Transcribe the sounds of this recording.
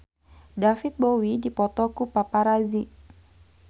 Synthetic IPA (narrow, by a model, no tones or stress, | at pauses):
dafit̪̚bowidipɔt̪ɔkupapaɾazi